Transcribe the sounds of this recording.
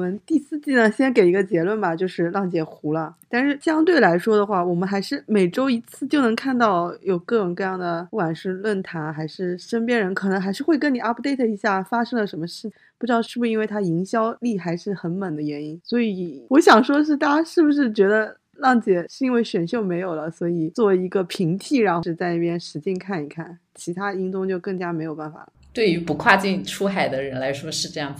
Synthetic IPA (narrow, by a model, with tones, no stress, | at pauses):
wɔ˨˩mə˦nt̪i˥˧sɹ̩˥˧t͡ɕi˥˩nə˩ɕjɛ˥nke˨˩ɪi˧˥ɡə˧t͡ɕjɛ˧˥lwə˥˩nba˩t͡ɕjo˥˧ʊʂɻ̩˥˧lɑ˥˩ŋt͡ɕjɛ˨˩xu˧˥lə˧t̪a˥˧nʂɻ̩˥˩ɕjɑ˥ŋt̪we˥˩ɪla˧˥ɪʂwɔ˥d̪ə˨xwa˥˩wɔ˨˩mə˧˦nxa˧˥ɪʂɻ̩˥˩me˨˩ɪʈ͡ʂo˥ʊi˧˥t͡sʰɹ̩˥˩t͡ɕjo˥˩ʊnɤ˧˥ŋkʰa˥˧nt̪ɑ˥˩ʊjo˨˩ʊkɤ˥˧ʈ͡ʂʊ˨˩ŋkɤ˥˧jɑ˥˩ŋd̪ə˩u˥˩kwa˨˩nʂɻ̩˥˧lwə˥˩nt̪ʰa˧˥nxa˧˥ɪʂɻ̩˥˩ʂə˥npjɛ˥nɻə˧˥nkʰɤ˨˩nɤ˧˥ŋxa˧˥ɪʂɻ̩˥˧xwe˥˩ɪk̬ə˥ni˨˩a˥pu˧t̪e˥˩ɪt̪ʰɤ˥˩i˧˥ɕja˥˩fa˥ʂɤ˥ŋlə˨˩ʂə˧˥nmə˧ʂɻ̩˥˩t͡ɕʰ | pu˥˩ʈ͡ʂɻ̩˧˥d̪ɑ˥˧ʊʂɻ̩˥˩bu˩ʂɻ̩˧˥we˥˩ɪt̪ʰa˥i˧˥ŋɕjɑ˥ʊli˥˩xa˧˥ɪʂɻ̩˥˩xə˧˥nmə˨˩d̪ə˦ɥɛ˧˥ni˥nswɔ˧˥i˨˩wɔ˧˥ɕjɑ˨˩ŋʂwɔ˥ʂ̬ɻ̩˥˧t̪a˥˩t͡ɕa˥ʂɻ̩˥˩bu˩ʂɻ̩˥˩t͡ɕɥɛ˧˥d̪ə˧ | lɑ˥˩ŋt͡ɕjɛ˨˩ʂɻ̩˥˩i˥nwe˥˩ɪɕɥɛ˨˩nɕjo˥˩ʊme˧˥ɪjo˨˩lə˦swɔ˧˥i˨˩t͡swɔ˥˩i˧˥ɡə˧pʰi˧˥ŋt̪ʰi˥˩ɻa˧˥nx̩˧˥˧t͡sa˥˧ɪna˥˩pjɛ˥nʂɻ̩˧˥t͡ɕɛ˥˧nkʰa˥˩ni˨˩kʰa˥˩nt͡ɕʰi˧˥t̪ʰa˥i˥nt͡sʊ˥ŋt͡ɕjo˥˧ʊkɤ˥˩ŋt͡ɕja˥me˧˥ɪjo˨˩ʊpa˥˩nfa̰˨˩˦t̪we˥˩ɪy˧˥pu˧˥kʰwa˥˧t͡ɕi˥˧nʈ͡ʂʰu˥xa˨˩ɪd̪ə˦ɻə˧˥nla˧˥ɪʂwɔ˥ʂɻ̩˥˧ʈ͡ʂɤ˥˧jɑ˥˩ŋ˩